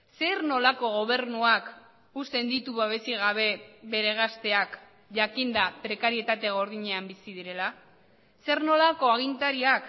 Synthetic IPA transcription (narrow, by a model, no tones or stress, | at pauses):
se̞ɾno̞lako̞ɣ̞o̞β̞e̞ɾnuak | ust̪e̞nd̪it̪uβeβ̞e̞siɣ̞aβ̞e̞βe̞ɾe̞ɣast̪e̞ak | ʝakind̪apɾe̞kaɾie̞t̪at̪e̞ɣ̞o̞ɾð̞iɲe̞ambisiðiɾe̞la | se̞ɾno̞lako̞aɣ̞int̪aɾiak